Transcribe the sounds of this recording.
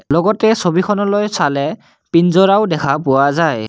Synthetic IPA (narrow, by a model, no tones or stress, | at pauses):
lɔɡɔtɛsobikʰɔnɔlojsalɛ | pinzɔɹaʊdɛkʰapʊwazaj